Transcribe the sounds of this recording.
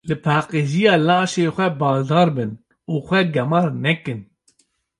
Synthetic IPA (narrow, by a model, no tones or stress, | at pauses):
lɨpʰɑːqeʒijɑːlɑːʃeːxʷɛbɑːʒd̪ɑːɾbɨn | uːxʷɛɡɛmɑːɾnɛkɨn